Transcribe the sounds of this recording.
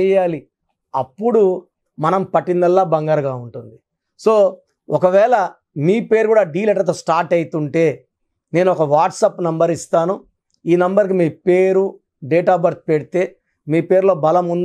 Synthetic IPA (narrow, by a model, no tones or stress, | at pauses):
ɛjaːli | ɐpːuɽu | mɐnɐmpɐʈːind̪ɐlːaːbɐŋɡɐɾɡaːuɳʈund̪i | so̞ː | ɔkɐʋɛːlɐ | miːpe̞ːɾkuːɽaːɖiːlɛʈɐɾt̪̬oːsʈaːɾʈɐjit̪uɳʈe̞ː | ne̞ːnuɔkɐʋaːʈsaːpnɐmbɐɾist̪aːnu | iːnɐmbɐɾk̬imiːpeːɾu | ɖeːʈaːbɐɾt̪̚peɽit̪e̞ː | miːpe̞ːɾlo̞ːbɐlɐmund̪